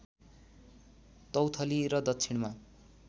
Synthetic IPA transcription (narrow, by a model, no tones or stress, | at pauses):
t̪ʌwt̪ʰʌliɾʌd̪ʌt̪ːsʰiɽma